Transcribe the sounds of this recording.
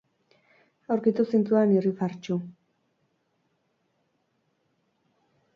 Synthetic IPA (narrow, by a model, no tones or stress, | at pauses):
awɾkit̪usint͡s̪uanirifaɾt͡ʃu